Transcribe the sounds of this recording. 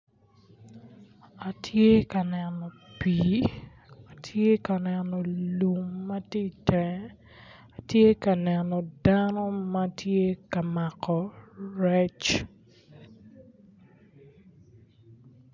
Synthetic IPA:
a˨tʰje˦ka˨nɛ˨nɔ˨pi˨ | a˨tʰje˦ka˨nɛ˨nɔ˨lu˨mːa˦te˦˨tɛ˨ | a˨tje˦ka˨nɛnɔ˨danɔ˦ma˦tʰje˦ka˨ma˨kʰɔ˨ɾɛ˦t͡ʃ

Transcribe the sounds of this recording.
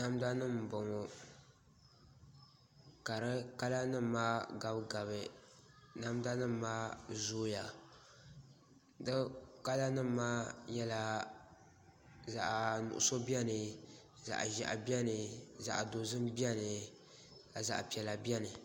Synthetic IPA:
na˦mda˦nɨ˦m˨bɔ˨ŋɔ˨ | ka˨ɾɨ˦ka˦la˦nɨː˦aː˦ɡa˨bɡa˨βɨ˨ | na˦mda˦nɨ˦m˨˦maː˦zoː˦ja˨ | dɨ˦ka˦la˦nɨ˦mː˦aː˦jɛ˦la˦ | za˨ʔnʊ̰˨ʔʊ̰˨so˦bi˦ɛ˦nɨ˨za̰˨ʔʒa˨ʔa̰˨bi˦ɛ˦nɨ˨za̰˨ʔdo˨zɨ˦mbi˦ɛ˦nɨ˨ | ka˨za̰˨ʔpi˨ɛ˨la˨bi˦ɛ˦nɨ˨

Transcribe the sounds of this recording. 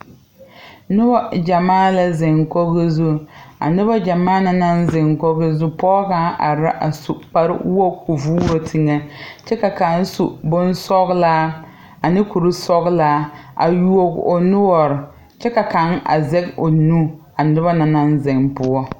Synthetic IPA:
nʊ˦bɔ˦d͡ʒa˨maː˦la˦zɪ˨ŋko˦ɣɪ˦zu˦a̰˨nʊ˦ba˦d͡ʒa˨maː˦na˦na˦nzɪ˨ŋko˦ɣɪ˦zu˦pɔː˦ɡa˦ʔa̰˨ɾa˦ʔa˨su˨k͡pa˦ɾɪ̰˦wo˦ku˨vuː˦ɾo˨tʰi˨ŋe˦t͡ʃɛ˦ka˨ka˨n˦su˨bʊ˦nsɔ˦ɣlaː˦ | a˨nɪ˦ku˨ɾɪ˦sɔ˦ɣlaː˦a̰˨ju˦o˨ɡo˨nʊ˦ɔ˨ɾɪ˨ | t͡ʃɛ˦ka˨ka˨˦na̰˨zɛ˦ko˨nu˦ | a˨nʊ˦ba˦na˨na˦nzɪ˨ŋpʊ˦ɔ˦

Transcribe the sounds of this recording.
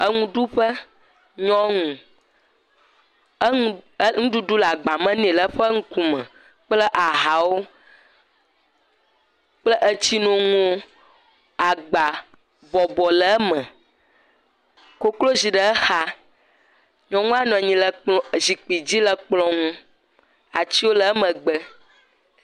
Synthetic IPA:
ə˦ŋũ˦ɖu˦ɸə˦ | ɲɔ̃˦ŋũ˨˦ | ŋũ˦ɖu˦du˦la˨ɡ͡ba˨mə̃˦nẽ˨lə˦ɸə˦ŋ̩̃˦ku˨mɛ̃˨ | k͡plə˦ʔa˨ɦa˨wo˦ | k͡plə˦ʔə˦t͡ɕi˦nũ˦ŋũ˦o˦ | a˨ɡ͡ba˨ | bɔ˨bɔ˨lə˨˦mə̃˨ | ko˦klo˦zi˨ɖə˨˦ə˦xa˦ | ɲɔ̃˨ŋũ˦a˦nɔ̃˨ɲĩ˨lə˨k͡pzi˨k͡pi˨d͡ʑi˦lə˨k͡plɔ̃˦ŋũ˦ | a˨t͡ɕi˦wo˦lə˦ə˦mə̃˨ɡ͡bə˦

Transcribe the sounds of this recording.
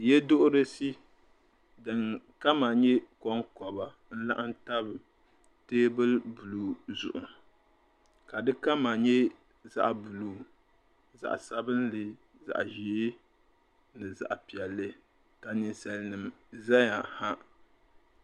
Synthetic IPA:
jɛ˦do˦ʔʊ˦ɾɨ˦si˦ | dɨ˨ŋka˦ma˨ɲɛ˦kɔ˦ŋkɔ˨ba˨ | n̩˦la̰˦ʔa˦n˦ta˦bɨ˨ | teː˦bɨ˦lbu˨lu˨zʊ̰˨ʔʊ˨m | ka˨dɨ˦ka˦ma˨ɲɛ˦ | za̰˨ʔbu˨lu˦˨ | za̰˨ʔsa˦bɨ˦n˦lɨ˦ | za̰˨ʔʒi˨e˦ | nɨ˨za̰˨ʔpi˨ɛ˨lːɨ˦ | ka˨nɨ˨nsa˨lnɨ˨mza˦ɲa˨ha˦

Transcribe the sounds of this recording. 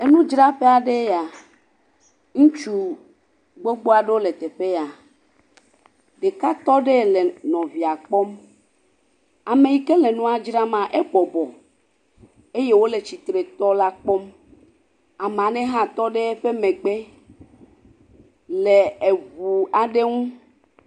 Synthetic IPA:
e˦nũ˦d͡ʒɾa˦ɸe˦a˨ɖe˦ja˨ | ŋũ˦t͡ʃu˨ | ɡ͡bo˦ɡ͡bo˦a˨ɖe˦wo˦le˨t̪e˨ɸe˦ja˨ | ɖe˨ka˦t̪ɔ˦ɖe˦˨le˨nɔ̃˨vi˨a˨k͡pɔ˦m | a˨me˨ji˨ke˦le˨nũ˦a˨d͡ʒɾa˦mã˨ʔe˦ɡ͡bɔ˨bɔ˨ | e˦je˦wo˦le˨t͡ɕi˨t̪ɾe˨t̪ɔ˦la˦k͡pɔ˦m | a˨m˨ã˨nɛ̃˦ɦã˦t̪ɔ˦ɖe˦e˦ɸe˦mẽ˨ɡ͡be˦ | le˨e˨vu˨a˨ɖe˦ŋũ˦

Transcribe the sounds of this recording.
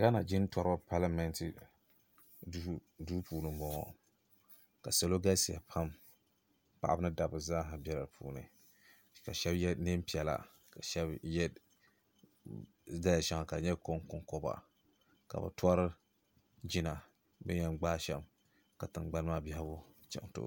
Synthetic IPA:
ɡa˦na˨d͡ʒɪ˦n˦twɔ˦ɾa˦pʰa˦la˦mɛ˦ntɨ˨˦ | duː˦puː˨lɨ˨mbɔ˨ŋɔ̰˨ | ka̰˨sa˦lo˦ɡa˦si˨a̰˨pʰa˦m | pa˨ʔa˦bɨ˦nɨ˦da˨bɨ˨zaː˦ɦa˨bɛ˦ɾa˨ɾpʰṵː˨nɨ̰˨ | ka˨ʃɛ˦bjɛ˦nɨ˦m˦pi˨ɛ˨la̰˨ | ka˨ʃɛ˦bjɛ˦ | da˦ja˨ʃɛ˦ŋa˨ka˨ɲɛ˦ko˦ŋkʊ˦ŋko˦ba̰˨ | ka̰˨ba̰˨tʊ˦a˦ɾɨ˦ | d͡ʒɪ˦na˨ | bɛ̰˦ɲɛ˦˨nɡ͡baː˦ʃɛ̰˨˦m | ka˨tɨ˨nɡ͡ba˦n˦maː˦bi˦ha˦bʊ˦ | t͡ʃɛ̰˨ŋ˨to̰˦˨˦

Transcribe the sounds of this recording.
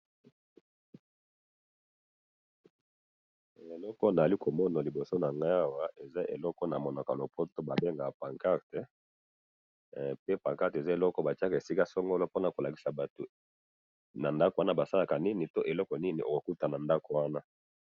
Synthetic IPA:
e˨lɔ˦kɔ˦na˨li˦kʰo˨mɔ˦na˨li˨bo˨so˦na˨ŋɡa˦a˦wa˦ʔe˨za˦ʔe˨lɔ˦kɔ˦na˨mɔ˨na˨ka˨lo˨pʰo˦to˦ba˨be˦ŋɡa˨pa˨ŋka˦ʁtɛ˦ | pe˦pa˨ŋka˦te˨za˦e˨lɔ˦kɔ˦ba˨t͡ʃa˦ka˨e˨si˦ka˦sɔ˦ŋɡɔ˦lɔ˦po˦na˨ko˨la˨ki˨sa˨ba˨to˨ | na˨nda˦ko˨wa˦na˦ba˨sa˦la˨ka˨ni˦ni˨to˦ʔe˨lɔ˦kɔ˨ni˦ni˨ʔo̰˨ko˨ku˦ta˨na˨nda˦ko˨wa˦na˦

